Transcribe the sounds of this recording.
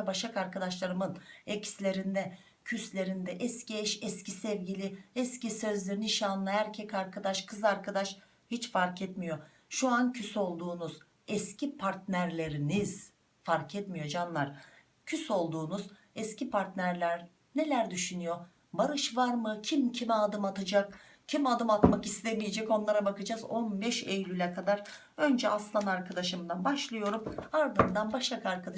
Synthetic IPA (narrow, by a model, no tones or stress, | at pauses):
baʃakaɾkad̪aʃlˠaɾɯmɯnɛcslʲe̞ɾind̪ɛ | cʰyslʲe̞ɾind̪ɛʔɛsciɛʃɛscisɛvɟilʲiɛscisø̞zlʲe̞ɾiniʃaːnːˠahæɾcʰɛcaɾkʰad̪aʃkʰɯzaɾkʰad̪aʃ | hit͡ʃfaɾkʰɛt̪mijo̞ | ʃuancʰyso̞lˠd̪uːnuz̥ | ɛscʰipʰaɾt̪næɾlʲe̞ɾiniz̥ | faɾkʰɛt̪mijo̞d͡ʒanlˠaɾ̥ | cʰyso̞lˠd̪uːnuz | ɛscipʰaɾt̪næɾlʲæɾ | ne̞lʲæɾd̪yʃynyjo̞ | baɾɯʃvaɾmɯcʰimcʰimɛad̪ɯmat̪ʰɯd͡ʒak | cʰimad̪ɯmat̪makist̪ʰemijed͡ʒɛco̞nlˠaɾabakɯd͡ʒazo̞nbɛʃejlʲylʲɛkʰad̪aɾ | ø̞nd͡ʒɛaslˠanaɾkʰad̪aʃɯmd̪anbaʃlˠɯjo̞ɾumaɾd̪ɯnd̪anbaʃlˠakʰaaɾkʰad̪a